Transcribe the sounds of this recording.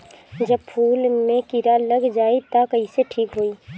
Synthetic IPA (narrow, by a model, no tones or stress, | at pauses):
d͡ʒəb̚pʰuːlmẽkiɾaləɡd͡ʒaːit̪akɐɦiseʈʰiːkɦoːiː